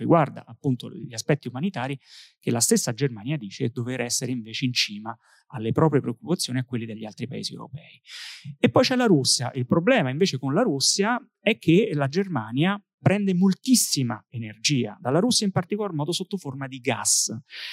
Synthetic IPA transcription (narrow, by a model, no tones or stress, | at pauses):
riɡward̪a̰ʔapːunt̪o̰ʎiaspɛt̪ːiumanit̪aːɾikelːast̪esːad͡ʒermaːnjad̪iːt͡ʃed̪oveːɾɛsːeɾeiɱveːt͡ʃeint͡ʃiːma | alːepɾɔːpɾjepɾeokːupat̪sjoːniakːwelːid̪eʎːialt̪ɾipa̰ḛziḛw̰ɾo̰pɛːiepːɔjt͡ʃɛlːaɾusːja̰ʔilpɾoblɛːmaiɱveːt͡ʃekonlaɾusːja | ɛkʰːelad͡ʒermaːnja | pɾɛnd̪emolt̪isːima̰enerd͡ʒiːa̰d̪alːaɾusːjaimpart̪ikolarmɔːd̪osot̪ːoformad̪iɡa̰s